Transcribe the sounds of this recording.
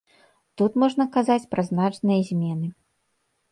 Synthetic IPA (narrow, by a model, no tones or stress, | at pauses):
t̪ut̪mɔʐnɐkazat͡sʲpɾɐznat͡ʂnɨjɐzʲmʲɛnɨ